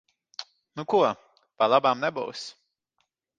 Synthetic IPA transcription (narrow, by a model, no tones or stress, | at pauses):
nuku | palˠabamnɛbṵws